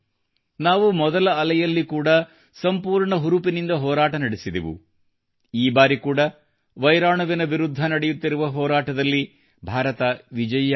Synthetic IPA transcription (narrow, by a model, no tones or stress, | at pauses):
naːʋumɔd̪ɐlɐːlɐjɐlːikuːɽɐ | sɐmpuːɾɳɐɦuɾupinind̪ɐɦɔːɾaːʈɐnɐɽisid̪ḭʋṵ | iːbaːɾikuːɽɐ | ʋɐjɾaːɳɐʋinɐʋiɾud̪ʱːɐnɐɽɛjut̪ːiɾuʋɐɦɔːɾaːʈɐd̪ɐlːi | bʱaːɾɐt̪ɐʋid͡ʒɐj